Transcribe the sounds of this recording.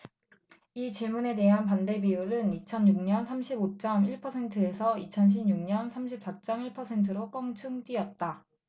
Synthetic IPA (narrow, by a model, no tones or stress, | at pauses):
it͡ɕiɭmune̞de̞ɦanpande̞biuɾɯnit͡ɕʰʌnjuŋɲʌnsʰamɕʰibot͡ɕ͈ʌmiɭpʰʌsʰe̞ntʰɯe̞sʰʌit͡ɕʰʌnɕ̬ʰimɲuŋɲʌnsʰamɕʰip̚s͈at͡ɕ͈ʌmiɭpʰʌsʰe̞ntʰɯɾok͈ʌŋt͡ɕʰuŋd͈iʌt̚t͈a